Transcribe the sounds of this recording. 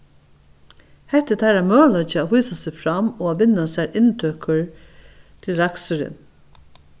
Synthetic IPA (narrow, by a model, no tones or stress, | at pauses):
hɛht̪ːɪt̪ʰæɾæɹmœːlɔt͡ʃɪaːhujsasɪfɾamɔaːʋɪnːasæɹɪnt̪ʰøːkəɹ | t̪ʰɪlɾaksʏɾɪ̰n